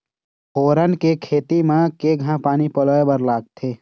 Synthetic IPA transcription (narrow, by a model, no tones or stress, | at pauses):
hoːɾənkekʰeːt̪imẽkeɡʱãpaːnipəloːebəɾlaːɡ̚t̪ʰeː